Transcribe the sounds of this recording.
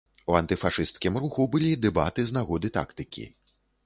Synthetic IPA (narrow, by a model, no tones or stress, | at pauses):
uɐnt̪ɨfaʂɨst̪kʲimɾuxubɨlʲid̪ɛba̰t̪ɨznaɣɔd̪ɨt̪a̰kt̪ɨkʲḭ